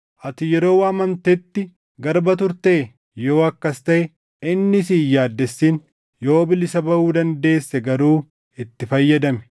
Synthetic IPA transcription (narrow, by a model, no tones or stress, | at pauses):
ʔɐt̪ɪjɛɾo̞ːwaːmɐmt̪ɛt̪ːɪ | ɡɐɾbɐt̪ʊɾt̪eː | jo̞ːɐkːɐst̪ɐʔɛ | ɪnːɪs̬iːjaːd̪ːɛsːiːn | jo̞ːbɪlɪsɐbɐʔuːd̪ɐnd̪e̞ːsːɛɡɐɾuː | ɪt̪ːɪfɐjːɐd̪ɐmɛ̥